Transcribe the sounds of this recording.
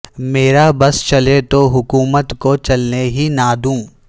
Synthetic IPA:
meːɾabɐst͡ʃɐlet̪oɦʊkuːmət̪kot͡ʃɐlneɦinaːd̪ũː

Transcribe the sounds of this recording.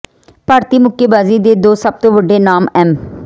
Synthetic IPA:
paːɾt̪iːmʊkːeːbaːziːd̪eːd̪oːsəb̚t̪õːʋəɖeːnaːmɛːm

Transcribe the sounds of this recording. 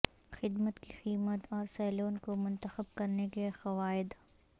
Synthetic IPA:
xɪd̪mət̪ki̥xiːmət̪ɔːɾsaːloːnkomʊ̃nt̪əxəb̚kɐɾnekexɐʋaːɪd̪

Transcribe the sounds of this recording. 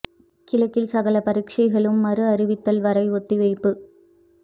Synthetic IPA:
kɪlɐkːɪlsɐɣɐlɐpɐɾɪkʂɐɪɣɐɭɯmːɐrɯɐɾɪʋɪt̪ːɐlʋɐɾɐɪɔʈːiʋɐɪpːɯ

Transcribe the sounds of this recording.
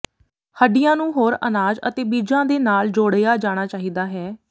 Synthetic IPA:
həɖɪjãːnũːɦoːɾə̰naːd͡ʒə̰t̪eːbiːd͡ʒãːd̪eːnaːld͡ʒoːɽejaːd͡ʒaːɽ̃aːt͡ʃaːɦiːd̪aːɦɛː

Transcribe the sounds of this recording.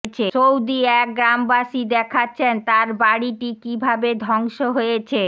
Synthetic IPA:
t͡ɕʰet͡ʃowd̪iɛk̚ɡɾambaʃid̪ɛkʰatːɕʰent̪aɾbaɽiʈikibʱabed̪ʱɔŋʃoɦojet͡ɕʰe

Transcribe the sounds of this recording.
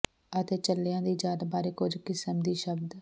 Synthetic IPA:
ət̪eːt͡ʃəlːɪjãːd̪iːd͡ʒaːd̪abaːɾeːkʊd͡ʒkɪsəmd̪iːʃəbd̪

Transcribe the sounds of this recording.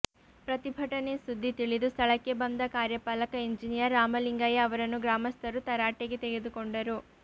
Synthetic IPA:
pɾɐt̪ibʱɐʈɐne̞sud̪ːit̪iɭid̪ust̪ʰɐɭɐkːe̞bɐnd̪ɐkaːɾjɐpaːlɐkɐiɲd͡ʒinijɐɾːaːmɐliŋɡɐjɐɐʋɐɾɐnːuɡɾaːmɐst̪ʰɐɾut̪ɐɾaːʈeɡe̞t̪eɡe̞d̪ukoɳɖɐɾu

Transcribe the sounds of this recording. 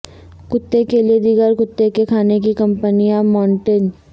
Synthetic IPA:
kʊt̪ːekelied̪ɪɡəɾkʊt̪ːekekʰaːnekikɐ̃mpənijãmaːɳʈən

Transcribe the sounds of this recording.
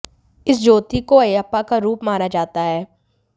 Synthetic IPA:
ɪsd͡ʒoːt̪ikoɐjapːakaɾuːpmaːnad͡ʒaːt̪aɦɛː

